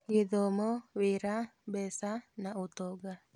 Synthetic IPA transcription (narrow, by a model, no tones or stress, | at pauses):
ɪðɔmɔwɪɾabɛsanaot̪ɔɡa